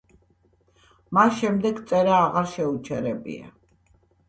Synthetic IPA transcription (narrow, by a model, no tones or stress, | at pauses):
masʃɛmd̪ɛɡt̪sʼɛɾaːʁaɾʃɛut͡ʃʰɛɾɛbḭa̰